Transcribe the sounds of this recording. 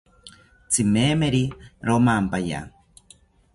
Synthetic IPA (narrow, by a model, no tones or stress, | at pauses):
t͡sʰimeːmeɾiɾomampaja̰